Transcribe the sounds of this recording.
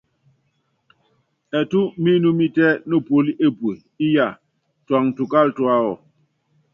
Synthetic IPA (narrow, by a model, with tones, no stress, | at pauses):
ɛ˨tu˦mi˦nu˦mi˦tɛ˦no˦˨po˨˦li˦ʔe˦pwe˨ | i˦ja˨ | twa˨ŋ˨tu˨ka˦ltwa˦ɔ˨